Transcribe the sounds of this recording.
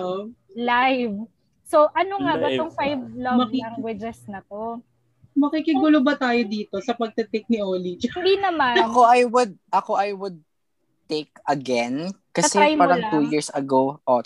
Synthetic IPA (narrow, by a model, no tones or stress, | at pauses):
o | lajv | soʔɐnoŋabɐt̪oŋfajvlamɐkiaŋɡwɐd͡ʒɛsnɐt̪o | mɐkikɪɡulobɐt̪aːjod̪iːt̪o̞sɐpɐɡ̚t̪ɐt̪ɛk̚nɪʔoːlit͡ʃɪnd̪inɐmanɐkoɐjwʊd̪̚ʔɐkoʔɐjwʊd̪̚ | t̪ekɐɡɛnkɐɐsɛjmpaːɾɐŋt̪ujiɹsɐɡowʔo